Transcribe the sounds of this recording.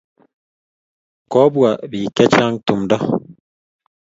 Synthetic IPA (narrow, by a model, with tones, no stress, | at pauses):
kɔ˦bwa˨bi˨kɛ˦t͡ʃa˦ŋtu˨mdɔ˦